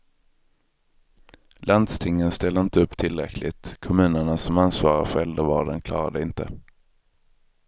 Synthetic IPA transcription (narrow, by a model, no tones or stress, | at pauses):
land̪st̪ʰɪŋːənst̪ɛld̪əɪnt̪əɵpːt̪ʰɪlːɾɛ̰kʰlɪ̰t̪kʰɔmʉ̟ːnəɳasɔmansvɑːɾa̰ɾfœɾɛld̪əvɑːɖənkʰlɑ̰ːɾa̰d̪əɪnt̪ə